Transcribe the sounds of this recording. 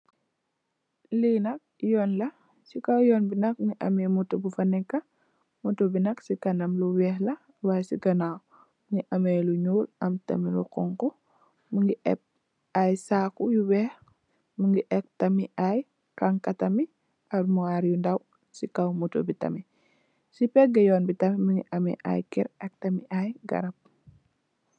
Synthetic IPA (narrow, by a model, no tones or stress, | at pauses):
linɐk̚jɔːnlɐ | sikawjɔːnbinɐk̚ŋiʔɐmɛmutobufɐnɛkːɐ | mutobinɐksikɐnɐmluwɛhlɐ | wasikɐnaw | mŋiʔɐmejluɲuːlʔɐmtɐ̰milṵqɔ̰ŋkɔ | muŋɡiʔɛ̰p̚ | ajsaːkujuwɛːh | məŋɡiʔɛk̚tɐmiʔaj | kaŋkɐtɐmi | ɐɾmuŋaɾjundɐw | sikɐwmuto̰bitɐ̰mi | sipɛɡɐjɔːnbitɐmiməŋɡḭʔɐmɛ̰ʔa̰jkɛ̰ɾɛk̚tɐmiʔajɡɐ̰ɾɐp̚